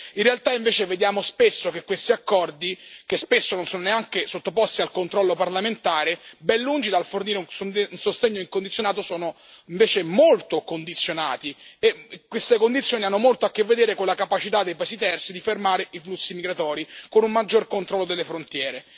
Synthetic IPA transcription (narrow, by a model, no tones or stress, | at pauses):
inrealt̪aiɱveːt͡ʃeved̪jaːmospesːok̟ekːwest̪iakːɔrd̪ikespesːononsɔːnoneaŋkesot̪ːopɔst̪ialkont̪ɾɔlːoparlament̪aːɾebɛnːund͡ʒid̪alforniːɾeunsunsost̪eɲːoiŋkond̪it̪sjonaːt̪osɔːno | iɱveːt͡ʃemolt̪okond̪it̪sːjonaːt̪iekwest̪ekond̪it̪sːjoːnianːomolt̪oakːevːed̪eːɾekonlakapat͡ʃit̪ad̪ːejpaesit̪ɛrt̪sid̪ifermaːɾeʔiflusːimiɡɾat̪ɔːɾikonummad͡ʒːorkont̪ɾɔlːod̪elːefɾont̪jɛːɾe